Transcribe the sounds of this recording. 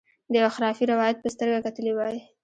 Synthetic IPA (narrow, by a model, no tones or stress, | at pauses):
d̪əaxɾɑfiɾawɑjat̪̚pəst̪əɾɡakat̪əlewɑji